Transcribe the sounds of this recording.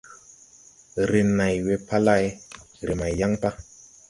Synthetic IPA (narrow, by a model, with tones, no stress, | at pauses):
ɾe˨na˨jwe˦pa˦la˦˨jɾe˨ma˨jja˦ŋpa˦